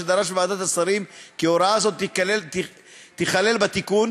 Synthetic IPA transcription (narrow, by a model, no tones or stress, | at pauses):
ed̪aʁaʃbaːd̪at̪asaʁimkioɾaazo̞t̪ | t̪iχale̞lbat̪ikun